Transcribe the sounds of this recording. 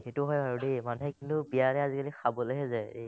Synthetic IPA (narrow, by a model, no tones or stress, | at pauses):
xetʊɦɔjbʱaɹudemanuɦɛkintʊbianɛazikalixʰabɔleɦɛzɛe